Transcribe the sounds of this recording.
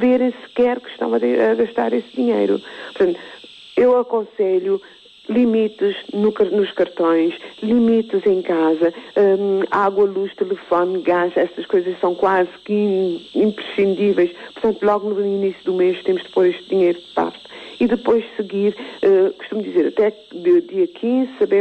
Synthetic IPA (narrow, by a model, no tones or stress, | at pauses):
veɾẽj̃sɨ̥kɛɾkɨ̥ʃt̪ɐ̰̃w̃ɐeɐɣɐʃt̪a̰ɾesd̪iɲḛjɾṵpuɾt̪ɐ̃nt̪ | ewɐkõseʎu | lˠimit̪ɨznukɐɾnuʃkɐɾt̪õj̃ʃlˠimit̪ɨzẽj̃kazɐɛaɣwɐlˠuʃt̪ɨlˠɨfonɡaʃɛsɐʃkojzɐʃsɐ̃w̃kwazɨkiĩmpɾɨʃĩnd̪ivɛjʃpʊɾt̪ɐ̃nt̪ulˠɔɣunuuinisjud̪umeʃt̪emʊʒd̪ɨpoɾeʃt̪̚d̪iɲejɾud̪ɨpa̰ɾt̪ɨ̥iðɨpojʃsɨɡiɾɛku̥ʃt̪umd̪izeɾɐt̪ɛ | d̪ɨd̪iɐkʰĩzɨsɐbe